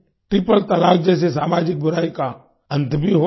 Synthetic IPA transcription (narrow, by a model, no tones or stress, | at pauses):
ʈɾɪpəlt̪əlaːk̚d͡ʒɛːs̬es̬aːmaːd͡ʒɪk̚bʊɾaːika | ɐ̃nt̪bʱiɦo